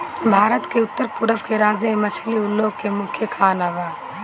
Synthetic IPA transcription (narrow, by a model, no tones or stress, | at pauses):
bʱaːɾət̪keʊt̪ːəɾpuɾəʋkeɾaːzemɐt͡ʃʰliʊlːoːɡ̚kemʊ̃kʰjəkʰaːnaʋaː